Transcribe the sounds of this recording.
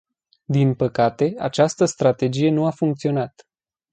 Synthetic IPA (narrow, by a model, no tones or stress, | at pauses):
d̪inpəkat̪e̞at͡ʃast̪əst̪ɾat̪e̞d͡ʒije̞nuafuŋk̚t̪sio̞nat̪